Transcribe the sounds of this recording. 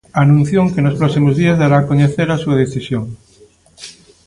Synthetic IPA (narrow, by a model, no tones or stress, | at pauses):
anũn̟θjoŋkenospɾɔksimozðiazðaɾaːkoɲeθeɾasuɐð̞eθisjoŋ